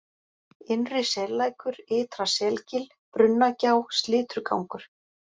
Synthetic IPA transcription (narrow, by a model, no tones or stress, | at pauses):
ɪnrɪsɛlaːjkʏɾɪːt̪ɾasɛlcɪl | pɾʏnːacaːwst̪lɪːt̪ɾka̰wŋkʏɾ̥